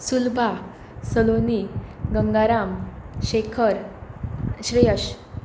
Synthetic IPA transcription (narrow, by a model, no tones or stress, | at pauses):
sulbʱa | səloniɡəŋɡaɾamɕekʰəɾ | ɕɾijəɕ